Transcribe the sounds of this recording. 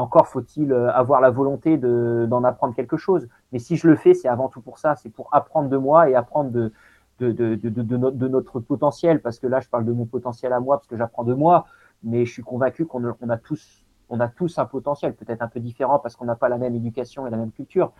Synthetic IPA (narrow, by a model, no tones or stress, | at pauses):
ɑ̃kɔʁfot̪ʰiløavwaʁlavɔlɔ̃t̪ed̪əd̪ɑ̃napχɑ̃d̪ʁəkʲɛlkəʃoz | mɛsiʒələfɛsɛavɑ̃t̪upuʁsasɛpuʁapχɑ̃d̪ʁd̪əmwaeapχɑ̃d̪ʁd̪ə | d̪̥əd̪əd̪əd̪əd̪ənɔd̪ənɔt̪χəpɔt̪ɑ̃sjɛlpaʁsə̥kəlaʒəpaʁld̪əmɔ̃pɔt̪ɑ̃sjɛlamwapaʁsə̥kəʒapχɑ̃d̪əmwa | mɛʒəsɥikɔ̃vɛ̃kʲykɔ̃nəɔ̃nat̪ʰus | ɔ̃nat̪usɛ̃pɔt̪ɑ̃sjɛlpøt̪ɛt̪χɛ̃pød̪ifeʁɑ̃paʁsəkɔ̃napalamɛmed̪ykʲasjɔ̃elamɛmkʲylt̪yːʁ